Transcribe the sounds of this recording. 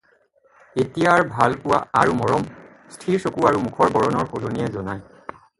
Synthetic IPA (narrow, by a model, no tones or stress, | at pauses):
etijaɹbʱalpʊwa̰aɹumɔɹɔm | stʰiɹsokuaɹumukʰɔɹbɔɹɔnɔɹxoloniɛzɔnaj